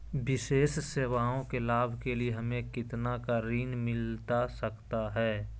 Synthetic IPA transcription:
bɪʃeːsseːʋaːõkelaːbʱkelieɦɐmẽkɪt̪nakaɾiːnmɪlt̪asɐkt̪aɦɛː

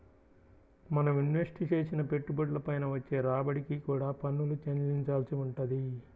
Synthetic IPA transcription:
mɐnɐmjinʋe̞sʈit͡ʃe̞ːsinɐpe̞ʈːubɐʈlɐpɐjnɐʋɐt͡ʃːe̞ːɾaːbɐɽikikuːɽaːpɐnːulut͡ʃɐnliɲt͡ʃaːlsiuɳʈɐd̪i

